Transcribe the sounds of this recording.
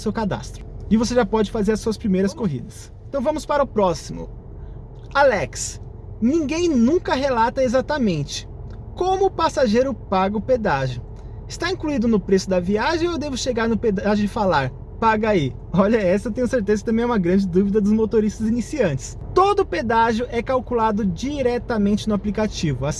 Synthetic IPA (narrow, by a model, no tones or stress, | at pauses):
sewkad̪a̰st̪ɾʊ̥ɪvoseʒapɔd͡ʒɪfazeɾɐsuɐspɾimejɾɐskoɦḭd̪ɐs | ẽt̪ɐ̃w̃vɐ̃mʊspaɾɐʊpɾɔsimʊ̰ | alɛks | nĩɡẽj̃nũŋkɐɦelat̪ɐezat̪ɐmẽnt͡ʃɪ̥ | kõmʊːpasaʒejɾʊpaɡɐʊped̪aʒʊ | ɪst̪aĩkluid̪ʊnʊpɾesʊd̪ɐviaʒẽj̃owd̪evʊʃeɡaɾnʊped̪aʒʊ̃d͡ʒɪfalaɾ | paɡɐai | ɔʎɐɛsɐt̪ẽɲ̃ʊseɾt̪ezɐkɪt̪ɐ̃mẽj̃ɛumɐɡɾɐ̃d͡ʒɪd̪uvid̪ɐd̪ʊzmot̪oɾist̪ɐzinisiɐ̃nt͡ʃɪ̥s | t̪od̪ʊped̪aʒʊʔɛkawkulad̪ʊd͡ʒiɾɛt̪ɐmẽnt͡ʃɪnʊaplikat͡ʃivʊas